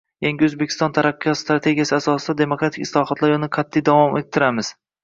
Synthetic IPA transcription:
jaŋʲɡʲɪɵzbe̞kʲʰɪ̥st̪ɒnt̪ʰaɾaqːijɒt̪st̪ɾat̪ʰe̞ɡʲijasɪasɒsɪd̪ad̪e̞mokɾat̪ʰɪkʲɪ̥slˠɒhɒt̪laɾʊnɪqʰɑt̪ʰːijd̪avɒmet̪ʰːɪɾamɪz̥

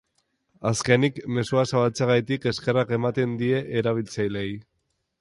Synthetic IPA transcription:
aske̞nikme̞suasaβalt͡seɣajt̪ike̞ske̞rake̞mat̪e̞nd̪ie̞ʔːɾaβ̞ilt͡sajle̞j

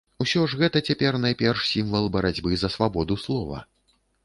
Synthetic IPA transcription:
usʲɔʐɣɛt̪ɐt͡sʲapʲɛrnajpʲɛrʂsʲimvɐlˠbɐɾad͡zʲbɨzɐsvabɔd̪uslˠɔvɐ̰

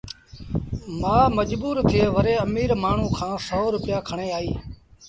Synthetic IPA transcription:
mãːməd͡ʒbuːɾt̪ʰɪeːʋəɾeːəmiːɾmaːɳ̤ũːkʰãːsoːɾʊpɪjaːkʰəɳeːaːiː

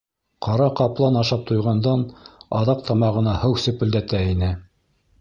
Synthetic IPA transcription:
qʰɑɾɑqɑplˠɑnɑʃɑp̚t̪ʰŏjʁɑnd̪ɑnɑðɑq̚t̪ʰɑmɑʁɤ̆nɑhɤwsɵ̆pɵ̆ld̪æt̪æinɘ

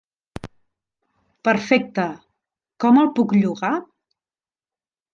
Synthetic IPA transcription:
pəɾfɛk̚t̪ə | kɔməlˠpukʎuɣa

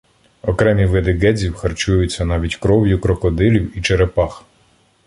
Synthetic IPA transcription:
ɔkɾɛmʲiʋɪd̪ɪɡɛzʲiwxɐrt͡ʃujʊt͡sʲːɐnɑʋʲitʲkɾɔwjʊkɾɔkɔd̪ɪlʲiwit͡ʃeɾepɑx

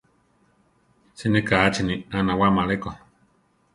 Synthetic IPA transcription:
sinĩkaat͡ʃinianãwamaleko

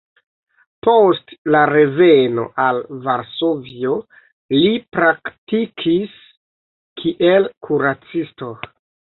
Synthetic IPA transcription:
postlaɾe̞ve̞no̞̰ʔalvaɾsovio̞ | lipɾaktikʰis | kʰiʔelkʰuɾat͡sisto̞

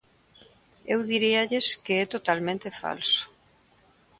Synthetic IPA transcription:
ewðiɾiaʎeskeɛt̪ot̪almẽnt̪efa̰lsʊ̥

